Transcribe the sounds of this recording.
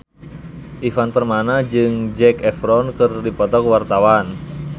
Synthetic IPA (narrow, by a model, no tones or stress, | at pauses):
ʔifanpərmanad͡ʒɨŋd͡ʒɛkɛfɾɔnkɨrdipɔt̪ɔkwart̪awan